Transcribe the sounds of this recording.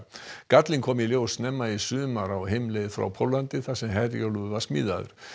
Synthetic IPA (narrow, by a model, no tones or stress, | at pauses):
kat̪liŋkʰɔːmiljowsnɛmːaisʏːðmaɾawɦejmlɛjðfɾa̰wpʰowlːant̪ɪθasɛmɦɛðɾjowluðvaɾ̥smḭːðaðʏ̰ɾ̥